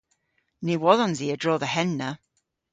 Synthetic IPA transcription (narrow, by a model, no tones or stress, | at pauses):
niwɔlɔnziədɹɔːðəhɛnːə